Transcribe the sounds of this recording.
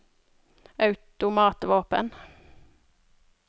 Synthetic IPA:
ɑʉt̪ʊmɑːt̪ʋoːpə̰n

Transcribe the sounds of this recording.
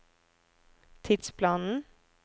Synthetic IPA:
t̪ʰɪd̪spʰlɑːnn̩

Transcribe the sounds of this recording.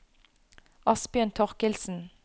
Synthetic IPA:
ɑsbjøːnt̪ʰɔʁkɪlsn̩

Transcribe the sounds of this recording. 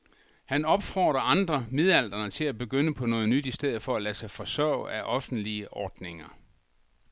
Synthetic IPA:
hænɒ̽b̥fɒ̰ːd̥ʁɐɑ̈nd̥ʁɐmeðˠæl̰d̥ʁɐnət͡sʰe̝læb̥e̝ɡ̥ønəpʰɒ̽nɔ̽ːð̩ˠnyd̥isd̥eð̰̩ˠfɒ̽ælæsɑ̈ɪfɒ̽sœːʊæʔɒ̽fn̩d̥liəʔɒːd̥ne̝ŋɐ

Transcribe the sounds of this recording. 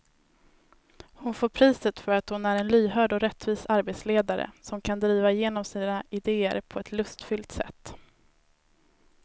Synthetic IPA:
hʊnfoːɾpʰɾiːsət̪fœɾat̪hʊnæɾɛnlyːɦœːɖɔɾɛt̪ːviːsaɾbeːt̪sleːd̪aɾə̰sɔmkʰand̪ɾiːvajeːnɔmsiːnaɪd̪eːə̰ɾpʰɔɛt̪lɵst̪fʏlt̪sɛ̰t̪ː

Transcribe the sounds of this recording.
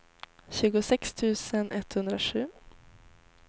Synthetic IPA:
ɕʉ̟ːɡʊsɛkst̪ʰʉ̟ːsənʔɛt̪ːhɵnd̪ɾaʂʉ̟ː

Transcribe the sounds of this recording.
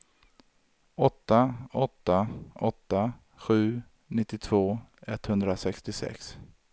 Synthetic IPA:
ɔt̪ːaɔt̪ːaʔɔt̪ːa | ɧʉ̟ː | nɪt̪ːɪt̪ʰv̥oːɛt̪ːhɵnd̪ɾasɛkst̪ɪsɛ̰ks

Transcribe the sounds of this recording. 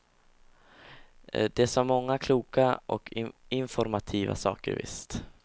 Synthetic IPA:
d̪̥ɛsɔmːɔŋːakʰluːkaʔɔkʰɪnfɔɾmat̪ʰiːva̰sɑ̰ːkəɾvɪ̰st̪

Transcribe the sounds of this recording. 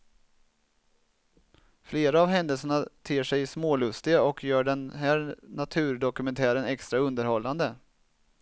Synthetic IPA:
fleːɾaavɦɛnd̪əlsəɳat̪ʰeːʂɛjsmoːlɵst̪ɪɡaɔkʰjœːɖɛnɦæːɾnat̪ʰʉ̟ːɾɖɔkɵmɛnt̪ʰæːɾənɛkst̪ɾaɵnd̪əɾhɔlːand̪ə

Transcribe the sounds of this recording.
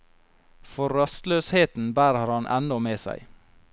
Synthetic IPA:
fɔɾœst̪løːsheːt̪n̩bæːɾəɾhɑnʔɛ̰nɔmeːsæ̰ɪ

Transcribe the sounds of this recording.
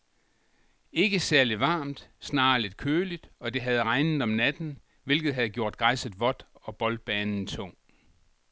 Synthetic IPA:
e̝ɡ̥əsæɐliʋɑ̈ːmd̥snɑ̈ːle̝d̥̚kʰøːlid̥ɒ̽d̥e̝ɦæð̞ˠʁɑ̈ɪnð̩ˠɒ̽mnæd̥n̩ | ʋe̝lɡ̥ð̞̩ˠɦæð̞̩ˠɡjo̝ɐ̰d̥ɡ̥ʁɑ̈ɪsəð̩ˠʋɒ̽d̥ɒ̽b̥ɒ̽ld̥̚b̥ɛːnn̩t͡sʰɔŋ̰

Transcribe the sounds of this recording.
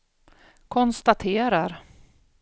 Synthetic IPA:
kʰɔnst̪at̪ʰeːɾaɾ

